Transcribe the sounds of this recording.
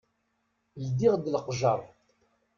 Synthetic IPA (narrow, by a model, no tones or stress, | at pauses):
ld̪iʁd̪lqʒɑɾˤ